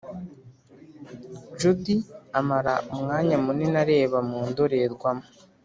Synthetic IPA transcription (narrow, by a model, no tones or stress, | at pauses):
d͡ʒudiamaɾaumŋaːɲamunenaɾe̞ːβamuːndoɾeɾɡwamo